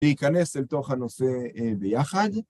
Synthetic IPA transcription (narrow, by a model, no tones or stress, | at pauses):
ikaneselt̪oχanoseebejaχad